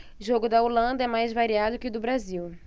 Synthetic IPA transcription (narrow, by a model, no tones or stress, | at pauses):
ʊʒoɡʊd̪ɐolɐ̃nd̪ɐɛmajzvaɾiad̪ʊkɪd̪ʊbɾaziw